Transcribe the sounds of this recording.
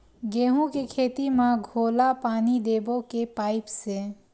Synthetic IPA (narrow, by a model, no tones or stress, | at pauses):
ɡeːɦũkekʰeːt̪imãɡʱoːlapaːnid̪eːbokepaːɪpse